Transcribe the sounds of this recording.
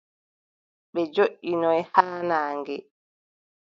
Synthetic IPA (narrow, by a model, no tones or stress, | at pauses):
ɓɛd͡ʒoʔinɔjhaːnaːŋɡɛ